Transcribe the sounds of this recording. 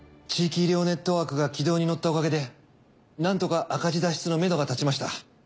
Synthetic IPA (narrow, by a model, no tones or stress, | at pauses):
t͡ɕiːkʲiɾʲo̞ne̞t̪ːo̞βaːkɯ̟ɡakʲid̪o̞ːɲ̟ino̞t̪ːao̞kaɡe̞d̪e̞ | nãnt̪o̞kaʔakad͡ʑid̪aɕi̥t͡sɨno̞me̞no̞ɡat̪at͡ɕimaɕi̥t̪a̰